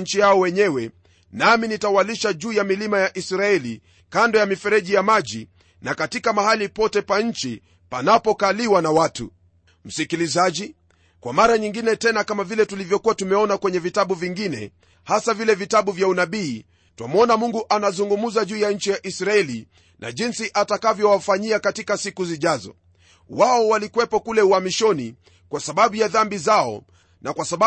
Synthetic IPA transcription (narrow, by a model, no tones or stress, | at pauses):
ɲ̩t͡ʃijaɔwɛɲɛwɛ | naminitawaliʃaʄuːjamilimajaʔisɾaɛli | kandɔjamifɛɾɛʄijamaʄi | nakatikamahalipɔtɛpaɲ̩t͡ʃi | panapɔkaliwanawatṵ | m̩sikilizaʄi | kwamaɾaɲiŋɡinɛtɛnakamavilɛtulivjɔkuatumɛɔnakwɛɲɛvitaɓuviŋɡinɛ̰ | hasavilɛvitaɓuvjaunaɓiː | twa̰mɔnamuŋɡuʔanazuŋɡumuzaʄuːjaɲ̩t͡ʃijaʔisɾaɛli | nʔa̰ʄinsiʔatakavjɔwafaɲiakatikasikuziʄazɔ̰ | waɔwalikuwɛpɔkulɛuhamiʃɔni | kwasaɓaɓujaðambizaɔ̰ | nakwasaɓa